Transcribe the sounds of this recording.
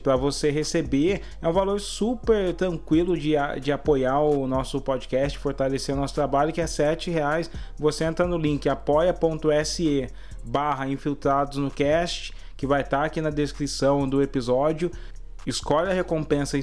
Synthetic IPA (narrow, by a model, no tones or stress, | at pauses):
pɾɐvoseɦesebeɾ | ɛũvaloɾsupeɾt̪ɾɐ̃ŋkwilʊd͡ʒɪ̰d͡ʒɪapojaɾʊnɔsʊpod͡ʒɪkɛst͡ʃɪ̥foɾt̪aleseɾʊnɔsʊt̪ɾabaʎʊkɪɛsɛt͡ʃɪheajsvoseẽnt̪ɾɐnʊlĩkɪapɔjɐpõnt̪ʊɛsɪe | baɦɐĩfiwt̪ɾad̪ʊznʊkɛst͡ʃɪ̥ | kɪvajt̪aɾakinɐd̪eskɾisɐ̃w̃d̪ʊepizɔd͡ʒiʊ | ɪskɔʎɐhekõmpẽsɐ